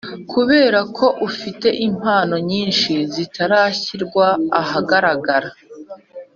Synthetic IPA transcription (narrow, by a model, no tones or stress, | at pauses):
kʰuβe̞ːɾakʰo̞ʔufite̞ʔim̥haːno̞ɲiːnʃizitʰaɾaːçiɾɡwaːhaɡaɾaɡaɾa